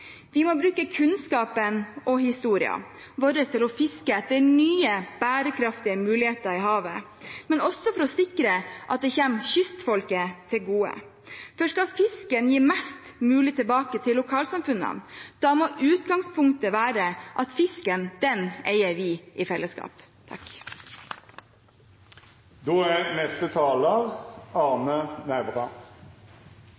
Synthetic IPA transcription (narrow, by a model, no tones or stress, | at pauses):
ʋɪmɔbɾʉːkəkʰʉnskɑːpənɔhɪst̪uːɾɪɑ̰ | bɔɾəst̪ʰɪlɔfɪskət̪d̪ɛnyːəb̥æːɾəkʰɾɑft̪ɪəmʉːlɪheːt̪əɾɪɦɑːʋə | mɛnɔsːɔfɔɾɔsɪkɾəʔɑ̰t̪̚d̪ɛçeːmɕʏst̪fɔlkət̪ʰɪlɡuːə̰ | fɔʂkɑlfɪskənjiːmɛst̪mʉːlɪt̪ɪlbɑːkət̪ʰɪlʊkʰɑːlsɑmfʉnə̰nd̪̥ɑːmoːʔʉːt̪ɡɑŋspʰʊŋkt̪əʋæːɾəʔɑt̪fɪskənd̪̥ɛneɪəɾʋɪːʔɪfɛlːəskɑ̰ːp | t̪ʰɑk | d̪oːænɛst̪ət̪ʰɑːləʁɑʁnənæʋʁɑ